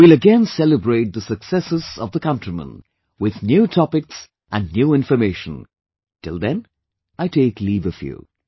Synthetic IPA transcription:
wilˠəɡɛ̃nsɛləbɹeɪt̚d̪əsəksɛsɨz̥ʌvðəkʌ̃ntɹ̥imə̰̃n | wɪðnjuːtʰɔpɪks | ʔæ̃nnjuːɪ̃ɱfəmeɪʃə̃n | tɪlˠd̪ɛ̃n | aɪtʰeɪkliːvəfjṵ

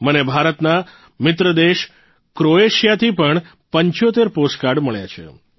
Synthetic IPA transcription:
mənebʱaɾət̪na | mɪt̪ɾəd̪eʃ | kɾoeʃjat̪ʰipəɳ | pəɲt͡ʃot̪eɾposkaɾɖməɭja̰t͡ʃʰḛ

